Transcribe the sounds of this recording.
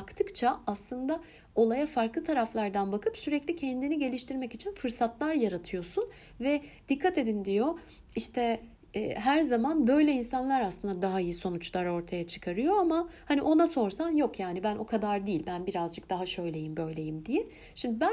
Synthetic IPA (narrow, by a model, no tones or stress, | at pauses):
akt̪ʰɯkt͡ʃʰaaslˠɯnd̪a | o̞lˠajafaɾklˠɯt̪ʰaɾaflˠaɾd̪anbakʰɯpsyɾɛclʲicʰɛnd̪iniɟe̞lʲiʃt̪ʰiɾmɛcit͡ʃʰinfɯɾsat̪lˠaɾjaɾat̪ʰɯjo̞sun | vɛd̪̥ikʰːat̪e̞d̪ind̪ijo̞ | iʃt̪ʰɛ | ɦæɾzamanbø̞jlʲɛinsanlˠaɾaslˠɯnd̪ad̪aɦaijiso̞nut͡ʃlˠaɾo̞ɾt̪ʰajat͡ʃʰɯ̥kʰaɾɯjo̞amahaniʔo̞naso̞ɾsanjo̞kjaːnibænʔo̞kʰad̪aɾd̪iːlʲbænbiɾazd͡ʒɯk̚d̪aɦaʃø̞jlʲe̞jimbø̞jlʲe̞jimd̪ijɛ | ʃimb̪ibæ